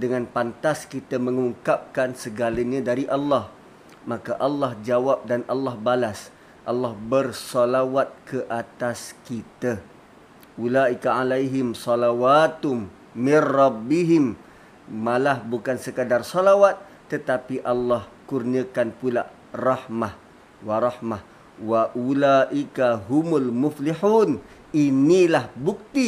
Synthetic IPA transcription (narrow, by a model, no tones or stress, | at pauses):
dəŋãnpant̪askit̪əmə̃ŋuŋkap̚kansəɡaləɲãdaɾiʔalːɑh | makaʔɑlːɑhd͡ʒawap̚danʔɑlːɑhbalas | ʔɑ̰lːɑhbərsɔlawat̪̚kəʔat̪askit̪a | ʔulaʔikaalajɦɪmsɔlawat̪ʊmː | ĩnrɑbiɦɪmː | alahbukansəkədarsɔlawat̪̚ːət̪apiʔalːɑhkurnəkanpulaʔ | rɑhmah | waɾɑhmah | waʔulaʔikaɦumʊlmʊfliħuːn | inilahbuk̚t̪i